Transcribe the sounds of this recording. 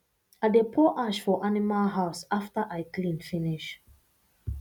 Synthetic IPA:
adepʰɔʔaʃfɔʔanimalɦaʊsaftaʔaɪklĩnfiniʃ

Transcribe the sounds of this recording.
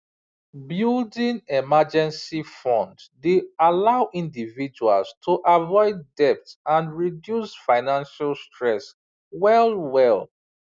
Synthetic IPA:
buldĩŋɛmad͡ʒɛ̃nsifɔ̃nddealaʊʔĩndivid͡ʒua̰lstʰuʔavɔɪdːɛp̚tãnɹidjusfaɪnãnʃalstʰɹɛs | wɛlwɛl

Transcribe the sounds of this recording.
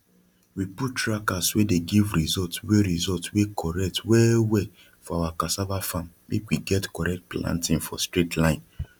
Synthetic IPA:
wiputɹakaswedeɡivɾizɔltweɾizɔltwekʰɔɹɛk̚twɛwɛ | fɔawakasabafãm | mekwiɡɛtkɔɹɛk̚t̚plã̰ntĩnfɔstɹetʰlãɪ̃n

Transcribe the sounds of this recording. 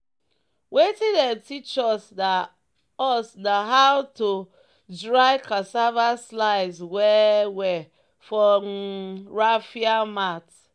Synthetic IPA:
wetĩdɛ̃ntʰit͡ʃɔsda | ɔsnaɦawto | dɹaɪkʰasavaslaɪzwɛwɛ | fɔmɹafiamat

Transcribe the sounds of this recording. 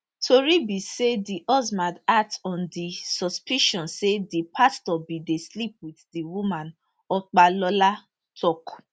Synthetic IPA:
tʰoɾibisediʔɔzmãdatɔ̃ndisɔspiʃɔ̃nsedipʰastɔbideslip̚widdiwumãn | ɔk͡palɔla | tʰɔku̥

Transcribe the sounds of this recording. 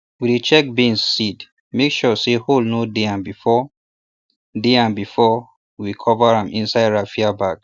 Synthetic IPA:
widit͡ʃɛk̚bĩnssid | mekʃɔseholnodeãnbifɔ | deãnbifɔ | wikʰɔvəɹãmʔĩnsaɪdɹafiabaɡ

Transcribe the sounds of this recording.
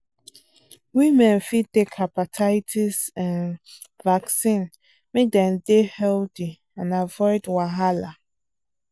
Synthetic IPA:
wimɛ̃nfidekʰapatʰaɪtʰisãn | vaksĩn | mẽdɛ̃ndehɛldi | ãnavɔɪdwaɦala

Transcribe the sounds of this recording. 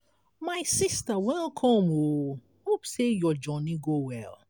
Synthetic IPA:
maɪsistawɛ̃lkʰɔ̃mo | hopsejɔd͡ʒɔniɡowɛ̰l

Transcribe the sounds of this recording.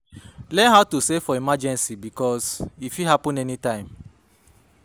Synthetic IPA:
lɛnɦaʊtusefɔimad͡ʒɛ̃nsibikɔsifiɦapɔ̃nɛnitãɪ̃m

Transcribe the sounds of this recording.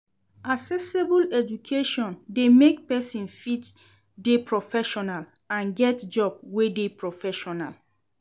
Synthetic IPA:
asɛsebulɛd͡ʒukʰeʃɔ̃ndemek̚pɛsĩnfit | depʰɹɔfɛʃɔnal | ãnɡɛtd͡ʒɔb̚wedepɹɔfɛʃɔna̰l

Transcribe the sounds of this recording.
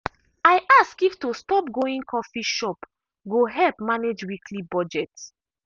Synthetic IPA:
aɪʔaskiftustɔpɡoĩŋkʰɔfiʃɔp | ɡoɦɛlpmaned͡ʒwikʰlibɔd͡ʒɛt

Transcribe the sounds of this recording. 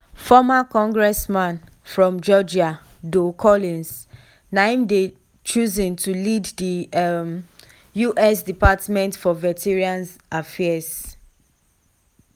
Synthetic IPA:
fɔmakɔ̃ŋɡɹɛsmãn | fɹɔ̃md͡ʒɔd͡ʒia | dokʰɔlĩns | nãɪ̃mde | t͡ʃuzĩntʰuliddim | juʔɛsdipatmɛ̃ntfɔvɛtʰiɹiãnafɛs

